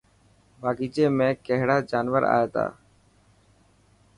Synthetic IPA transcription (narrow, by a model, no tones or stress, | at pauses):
bʱaːɡiːd͡ʒeːmẽːkəɦɽaːd͡ʒaːnʋəɾa̰ːjeːt̪a̰ː